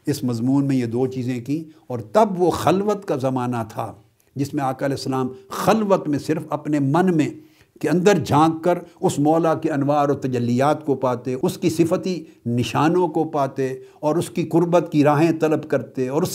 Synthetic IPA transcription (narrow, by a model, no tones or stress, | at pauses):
ɪsmɐzmuːnmẽjed̪oːt͡ʃiːzẽkĩɔːɾt̪ɐbʋoxɐlʋət̪kazɐmaːnat̪ʰa̰ | d͡ʒɪsmẽaːkaɐlɛːsːɐlaːmxɐlʋət̪mẽsɪɾfɐpnemɐ̃nmẽ | keɐ̃nd̪əɾd͡ʒʱãːɡkɐɾʊsmɔːlakeɐnʋaːɾɔːɾt̪ɐd͡ʒɐlːijaːt̪kopaːt̪eʊskisɪfət̪inɪʃaːnõkopaːt̪eɔːɾʊskiqʊɾbət̪kiɾaːɦẽt̪ɐləbkɐɾt̪eɔːɾʊs